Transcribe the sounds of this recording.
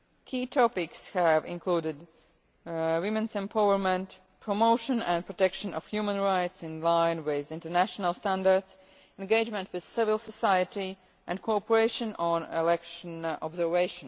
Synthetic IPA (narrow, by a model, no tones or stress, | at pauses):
kʰiːtʰɔpɪkshævɪ̰̃nkʰluːɾɪd | wɪ̃mɨ̃nsɛ̃mpʰaʊəɹmə̃nt | pʰɹ̥ɔmoʊʃə̃næ̃npʰɹɔtɛkʃə̃nɔ̰fhjumə̃nɹaɪtsɪ̃nlãɪ̃nwɪðɪ̃ntə˞næʃənəlˠstæ̃ndə˞dz | ɛ̃nɡeɪd͡ʒmə̃ntwɪð̥sɪvəlˠsəsaɪəti | ʔæ̃nkʰɔpəɹeɪʃə̃nə̃nɛ̰lɛkʃə̃nɔ̰bzə˞veɪʃə̃n